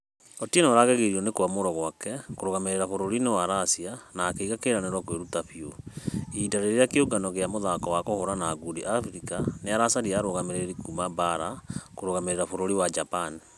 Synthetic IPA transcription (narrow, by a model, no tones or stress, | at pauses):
otienaɾaɣaɣeɾiɔnekoamoɾɔɣwakɛkoɾoɣameɾeɾafoɾoɾinewaɾasianaːkeiɣakeɾaneɾwakweɾutaɸioidaɾeɾeɾeakeoɡanɔɣeamoðakɔwakohoɾanaːɡudiʔafɾikaneaɾasaɾiaɾoɣameɾeɾikumabaɾakoɾoɣameɾeɾafoɾoɾiwad͡ʒapani